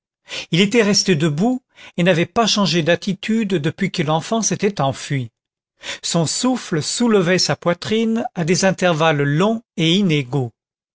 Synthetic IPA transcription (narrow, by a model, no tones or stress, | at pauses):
ilet̪ɛʁɛst̪ed̪əbu | enavɛpaʃɑ̃ʒed̪at̪it̪ʰyd̪ːəpɥikəlɑ̃fɑ̃set̪ɛt̪ɑ̃fɥi | sɔ̃sufləsuləvɛsapwat̪χinad̪ezɛ̃t̪ɛʁvalːɔ̃eineɡo